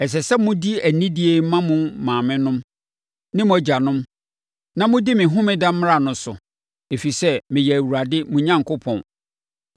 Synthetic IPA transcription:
ɛ˨s̬ɛ˨sɛ˦mʊ̃˦di˦æ˨nĩ˦di˦e˨˦mã˦mʊ̃˦mãː˨mɪ̃˦nʊ̃˦m | nɪ̃˦m̃˦æ˦d͡ʑa˨nʊ̃˦m | nã˦mʊ̃˦di˦mɪ̃˨ɦʊ̃˦mɪ̃˦dã˦m̩˦m˦ɾa˨nʊ̃˨˦sʊ̰˨ | e˨fi˨sɛ˦mɪ̃˨jɛ˨æ˨wu˨ɾa˨dɪ˦mʊ̃˨ɲã˦ŋkʊ˦pʰɔ̰̃˨n

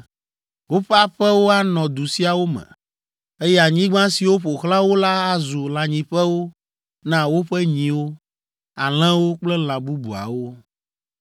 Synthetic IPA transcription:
wo˦ɸɛ˦a˦ɸɛ˦wo˦a˦nɔ̃˨d̪u˨si˦a˨wo˦mɛ̰̃˨ | e˦jɛ˦a˨ɲĩ˦ɡ͡bã˦si˨wo˦ɸo˨xlã˦wo˦la˦a˦zu˨lã˨ɲĩ˨ɸɛ˦wo˦ | nã˦wo˦ɸɛ˦ɲĩ˨wo˦ | a˨l̃ɛ̃˦wo˦k͡plɛ˦l̃ã˨bu˦bu˨a̰˨wo˦

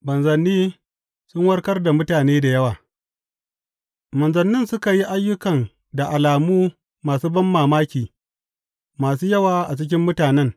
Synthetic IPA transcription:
bɐ˨nzɐ˨nːiː˦ | sʊ˦ŋwɐ˦rkɐ˦rda˨mʊ˦taː˨neː˦da˨jɐ˦waː˨ | mɐ˨nzɐ˨nːɪ˦nsʊ˦ka˨ji˦ʔa˦jːʊ˦kɐ˨n | da˨ʔa˨laː˨muː˦ | maː˨suː˦bɐ˦mːaː˨maː˦kʲiː˨ | maː˨s̬uː˦jɐ˦waː˨ʔa˨t͡ʃɪ˦k̬ʲɪ˦mːʊ˦taː˨nɛ˦ŋ

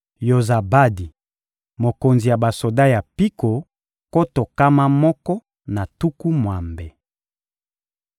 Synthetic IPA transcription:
jo˨za˨ba˦di˨ | mo˨ko˨nzi˨ja˨ba˨so˨da˦ja˨pi˦ko˨ | ko˦to˨ka˦ma˦mɔ˦kɔ˦ | na˨tu˦ku˦mwa˨mbe˨

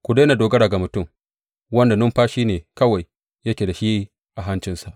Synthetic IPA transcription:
kʷu˨deː˦na˨doː˨ɡɐ˦ɽa˨ɡa˨mʊ˨tʊ˦˨m | wɐ˦nda˨nʊ˦mɸaː˦ʃiː˦neː˨kɐ˦wa˨j | jɐ˦kʲeː˨da˨ʃiː˦ | ʔa˨ɦa˦nt͡ʃɪ˦nsa˨ʔ

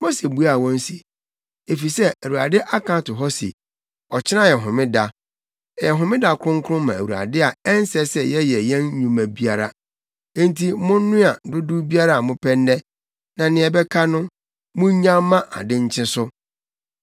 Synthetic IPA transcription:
mo˦se˨bu˦a˨wɔ̃˦n˦si˨ | e˨fi˨sɛ˦æ˨wu˨ɾa˨dɪ˦ʔa˦kã˦tʊ˨ɦɔ˦sḭ˨ | ɔ˨t͡ɕʰɪ˦nã˦jɛ˨ɦʊ̃˨mɪ̃˦da˦˨ | jɛ˨ɦʊ̃˨mɪ̃˦da˦kʰʊ̃˦ŋ˦kʰʊ˦ʊ̃˦mã˨æ˨wu˨a̰˨dɪ˦a˨ɛ˦n˦sɛ˦sɛ˦jɛ˦jɛ˨jɛ̃˦n˦ɲũ˨mæ̃˨bi˦a˨ɾã˦ | ntʰi˦mʊ̃˦n̩˦nʊ̃˦a˨dʊ˦dʊ˦bi˦a˦ɾa˦a˨mʊ̃˦pʰɛ˦ndɛ˦ | nã˨nɪ̃˨ɛ˨bɛ˦kʰa˦nʊ̃˦ | mʊ̃˦ɲãː˦ã˦ʔa̰˨dɪ̃˦ɲ̩˦t͡ɕʰɪ̃˦sʊ˦

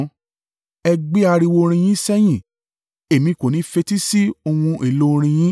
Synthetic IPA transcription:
ɛ˧ɡ͡be˦a˧ɾi˧wo˧ɾ̃ĩ˧j̃ĩ˦sɛ˦j̃ĩ˦˨ | e˨mĩ˨˦˨ko˨nĩ˨˦fe˧ti˦si˦o˧wũ˧e˨lo˦˧ɾ̃ĩ˧j̃ĩ˦

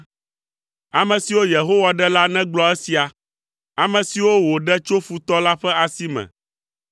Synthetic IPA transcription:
a˨mɛ̃˨si˨wo˦je˨ɦo˦wa˨ɖɛ˦la˦nɛ̃˦ɡ͡blɔ˦ɛ˦si˨a˨ | a˨mɛ̃˨si˨wo˦wo˨ɖɛ˦t͡ʃo˦fu˨t̪ɔ˦la˦ɸɛ˦a˨si˦mɛ̰̃˨

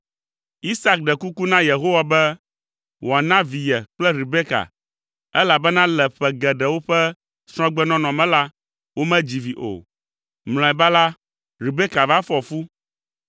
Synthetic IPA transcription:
i˦sa˦k̚ɖɛ˨ku˦ku˦nã˦je˨ɦo˦wa˨bɛ˦ | wɔ˨a˨nã˦vi˨jɛ˨k͡plɛ˦ɾi˨be˦ka̰˨ | ɛ˦la˨bɛ˦nã˦lɛ˨ɸɛ˨ɡɛ˨ɖɛ˨wo˦ɸɛ˦ | sɾ̃ɔ̃˦ɡ͡bɛ˦nɔ̃˦nɔ̃˨mɛ̃˦la˦ | wo˦mɛ̃˦d͡ʑi˨vi˨ʔo̰˨ | ml̃ɔ̃˨ɛ˨ba˦la˦ | ɾi˨be˦ka˨va˦fɔ˨fu˦

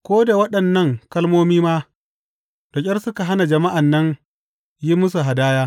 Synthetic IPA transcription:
kʷoː˦da˨wɐ˦ɗɐ˨nːɐ˦˨ŋkɐ˦lmoː˦miː˦maː˦ | d̥ɔ˨kʲʼɐ˦rsʊ˦ka˨ɦa˦na˨d͡ʒɐ˨ma˦ʔa˨nːɐ˦ŋ | ji˦mʊ˦s̬u˨ɦa˨daː˦jaː˦

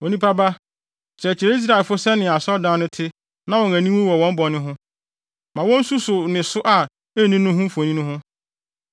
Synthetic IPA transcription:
wo˨nĩ˦pʰa˦ba˦ | ɕʰɾɛ˨t͡ɕʰɪ˨ɾɛ˦i˦s̬ɾa˦˨lfʊ˦sɛ˦nɪ̃˨a˨sɔ˦dã˦nʊ̃˦tʰɪ˦ | nã˦wɔ̃˨næ̃˨nĩ˦mĩ˦wɔ˨wɔ̃˦m̩˦bɔ˨nɪ̃˦ɦʊ̃˦ | mã˨wɔ̃˦n̩˦su˦sʊ˨nɪ̃˨sʊ˦ʔa˨ | e˦nĩ˦nʊ̃˦ɦʊ̃˦m̩˦fɔ˨nĩ˦nʊ̃˦ɦʊ̃˦

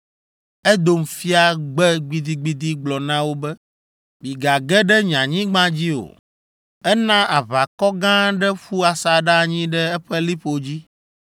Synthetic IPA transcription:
ɛ˦d̪o˨mfi˦a˨ɡ͡bɛ˦ɡ͡bi˨d̪i˦ɡ͡bi˦d̪i˦ɡ͡blɔ˨nã˦wo˦bɛ˦ | bi˨ɡa˨ɡɛ˦ɖɛ˦ɲã˨ɲĩ˦ɡ͡bã˦d͡ʑi˦o̰˨ | ɛ˦nã˦ʔa˨βa˨kɔ˦ɡã˦ɖɛ˦ɸu˦a˨sa˨ɖa˦˨ɲĩ˦ɖɛ˦ɛ˦ɸɛ˦li˦ɸo˨d͡ʑi˦

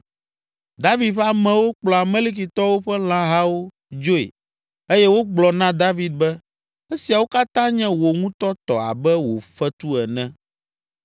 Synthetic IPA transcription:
d̪a˦vi˨d̪ɸa˨mɛ̃˨wo˦k͡plɔ˨a˨mẽ˦li˦k̬i˨t̪ɔ˦wo˦ɸɛ˦l̃ã˦ɦa˦wo˦ | d͡ʒo˦ḛ˨ | e˦jɛ˦wo˦ɡ͡blɔ˨nã˦d̪a˦vi˨d̪̚bɛ˦ | e˦si˨a˨wo˦ka˦t̪ã˦ɲɛ̃˦wo˨ŋũ˦t̪ɔ˦t̪ɔ̰˨a̰˨bɛ˦wo̰˨fɛ˦t̪u˦ɛ˨nɛ̃˦

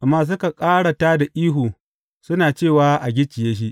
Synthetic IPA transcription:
ʔa˨mːaː˦s̬ʊ˦ka˨kʼaː˦ɽa˨taː˦da˨ʔiː˦ɦuː˨ | sʊ˦naː˨t͡ʃeː˦˨waː˦ʔa˨ɡʲɪ˦t͡ʃɪ˨jeː˦ʃ̬i˦ʔ

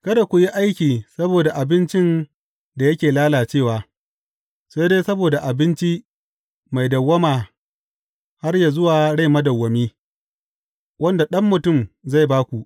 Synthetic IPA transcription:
kɐ˦da˨kʷu˨ji˦ʔa˦jkʲiː˨sɐ˦boː˨da˨ʔa˨bɪ˦nt͡ʃɪ˦n | da˨jɐ˦kʲeː˨laː˦laː˨t͡ʃeː˦˨waː˨ | sa˦jdeː˦sɐ˦boː˨da˨ʔa˨bɪ˦nt͡ʃi˦ | ma˨jdɐ˨wːɐ˦maː˨ | ha˦rjaː˨zʊ˦waː˨ɽa˦jmɐ˦dɐ˨wːɐ˨miː˦ | wɐ˦nda˨ɗɐ˦mːʊ˨tʊ˦˨mza˦˨jbaː˦kʷu˨ʔ

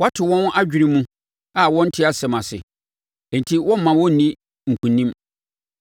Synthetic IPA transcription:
wa˦tʰɪ˨wɔ̃˦nʔa˦d͡ʑᶣi˨ɾi˦mũ˦ | a˨wɔ̃˦n̩˦tʰɪ˦a˨sɛ˨mã˨sɪ̰˨ | ɛ̃˨n˨tʰi˦wɔ̃˦m˦mã˨wɔ̃˦n̩˨nĩ˦ | ŋ̩˨kʰũ˨nĩ˦m

